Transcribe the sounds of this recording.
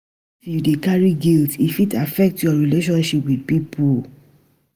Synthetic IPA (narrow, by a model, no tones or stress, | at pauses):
judekaɹiɡiltifitafɛk̚tjɔɹileʃɔ̃nʃipwidpipʰul